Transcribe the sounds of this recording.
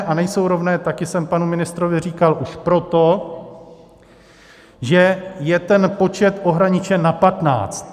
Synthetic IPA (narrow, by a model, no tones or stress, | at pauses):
ʔanɛjso̞wɾo̞vnɛːt̪akɪsɛmpanumɪnɪst̪ɾovɪr̝iːkalʔuʃpɾo̞t̪o̞ | ʒɛjɛt̪ɛnpo̞t͡ʃɛt̪ʔo̞ɦɾaɲɪt͡ʃɛnapat̪na̰ːt͡st̪